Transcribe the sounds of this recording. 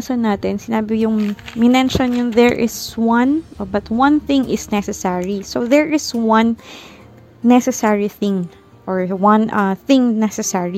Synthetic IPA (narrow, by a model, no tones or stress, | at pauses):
sonːaːt̪ɪnsɪnaːbɪjʊŋmɪnɛnʃonjʊnðɛɹʔɪswɐ̃nbɐt̪wɐ̃nθɪ̃ŋʔɪsnɛsɛsɛɹisoðɛɹʔɪswɐ̃n | ɛsɛsɛɹiθɪ̃ŋ | ʔɔɹwɐ̃nʔɐθɪ̃ŋnɛsɛsɛɹi